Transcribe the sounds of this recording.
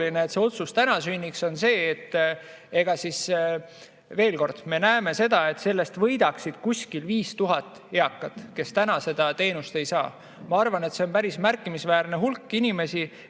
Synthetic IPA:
lineːt̪se̞o̞t̪sust̪ænɑsynʲːikso̞nse̞ːt̪ː | e̞ɡ̥ɑsis | ve̞ːlko̞rd̪̥me̞næeme̞se̞d̪̥ɑe̞t̪ːse̞lːe̞st̪vɤjd̪ɑksid̪̥kusʲkilviːst̪uɦɑt̪ːˑ | eɑkːɑt̪ːˑke̞st̪ænɑse̞d̪̥ɑt̪e̞ːnust̪e̞jsɑː | mɑɑrvɑne̞t̪se̞o̞npæɾismærkːˑimisvæːrneɦulkːinime̞si

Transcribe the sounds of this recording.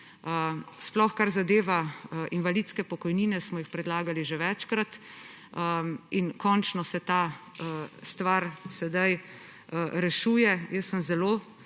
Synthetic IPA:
əsplɔxkaɾzad̪eːʋaʔinʋaliːt̪skɛpɔkɔjniːnɛsmɔjixpɾɛd̪laːɡaliʒeʋɛt͡ʃkɾat̪ | əinkɔnt͡ʃnɔsɛt̪a | st̪ʋaɾsɛd̪aj | ɾɛʃuːjɛjəsːəmzɛlo

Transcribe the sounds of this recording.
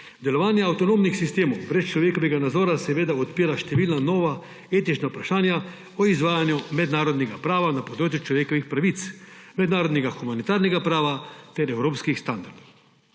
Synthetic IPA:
d̪ɛlɔʋaːnjɛawt̪ɔnoːmnixsist̪eːmɔwbɾɛst͡ʃlɔʋjeːkɔʋɛɡanad̪zɔːɾasɛʋeːd̪aɔt̪̚piːɾaʃt̪ɛʋiːlnanɔːʋa | eːt̪it͡ʃnaupɾaʃaːnja | ɔizʋaːjanjumɛd̪naːɾɔd̪nɛɡapɾaːʋanapɔd̪ɾoːt͡ʃjut͡ʃlɔʋjeːkɔʋixpɾaʋit̪smɛd̪naːɾɔd̪nɛɡaxumanit̪aːɾnɛɡapɾaːʋat̪ɛɾɛwɾoːpskixst̪and̪aɾd̪ɔw

